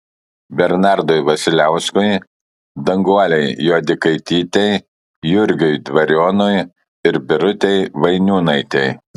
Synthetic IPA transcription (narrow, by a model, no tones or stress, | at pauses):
bʲɛɾnɑˑɾd̪ɔjʋɐsʲɪlʲæˑʊskʊj | d̪ɐŋɡuɔlʲɛɪjoːd̪ʲɪkɐɪt̪ʲiːt̪ʲɛɪ | jʊɾʲɡʲʊɪd̪ʋɐɾʲoːnʊj | ɪɾbʲɪɾʊt̪ʲɛɪʋɐɪnʲuːnɐɪt̪ʲɛɪ